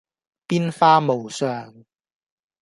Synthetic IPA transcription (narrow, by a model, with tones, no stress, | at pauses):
piː˥nfaː˥mo˨˩wsœː˨ŋ